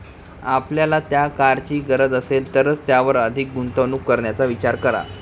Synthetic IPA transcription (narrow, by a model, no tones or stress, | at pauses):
apljalat̪jakaɾt͡ɕiːɡəɾəd͡zəselt̪əɾət͡st̪jaʋəɾəd̪ʱik̚ɡunt̪ənuːkːəɾɳjat͡saʋit͡ɕaɾkəɾa̰